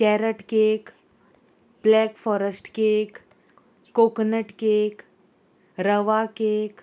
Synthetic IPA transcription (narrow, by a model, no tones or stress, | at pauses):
kɛɾəʈkek | blɛkfɔɾəsʈkekː | oknəʈkek | ɾəʋakek